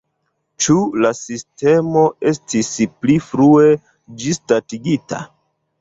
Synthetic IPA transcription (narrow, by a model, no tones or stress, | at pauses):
t͡ʃulasiste̞mo̞e̞stisplifɾue̞ | d͡ʒistatiɡita̰